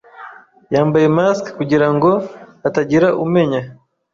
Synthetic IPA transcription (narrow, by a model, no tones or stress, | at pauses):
jambaimaskkuɟiɾaŋɡɔataɟiɾaʔumɛɲa